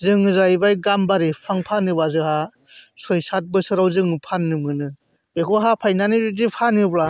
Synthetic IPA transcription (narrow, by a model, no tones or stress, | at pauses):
zɯŋɯzaibajɡambaɾipʰaŋpʰanɯbazɯha | sɔjsat̚bɯsɯɾawzɯŋɯpʰanːɯmɯnɯ | b̥ekʰɔɦapʰajnanɯdipʰanɯbɾa